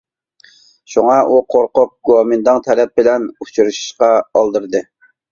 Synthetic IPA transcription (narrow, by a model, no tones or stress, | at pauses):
ʃuŋɑʔuqʰoɾqʊp̚ɡɑmɨnd̪ɨŋt̪ʰɛlɛp̚bɪlɛnut͡ʃʰuɾɨʃi̥ʃqɑɑlˠd̪ɨɾd̪ɨ